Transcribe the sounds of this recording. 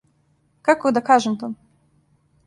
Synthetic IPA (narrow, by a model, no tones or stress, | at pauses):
kakod̪akaʒemt̪o